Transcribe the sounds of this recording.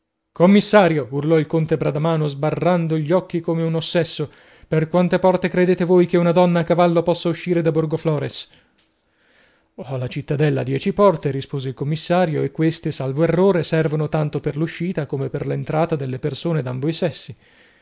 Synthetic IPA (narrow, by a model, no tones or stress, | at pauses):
komːisːaːɾjourlɔilkont̪ebɾad̪amaːnozbarːand̪oʎːɔkːikomeunosːɛsːo | perkwant̪epɔrt̪ekɾed̪eːt̪evojkeunad̪ɔnːaːkːavalːopɔsːauʃːiːɾed̪aborɡoflɔːɾes | ɔlat͡ʃit̪ːad̪ɛlːa̰d̪jɛt͡ʃipɔrt̪eɾispoːzeilkomːisːaːɾjoekːwest̪esalvoerːoːɾesɛrvonot̪ant̪operluʃːiːt̪akomeperlent̪ɾaːt̪ad̪elːepersoːned̪ambojsɛsːi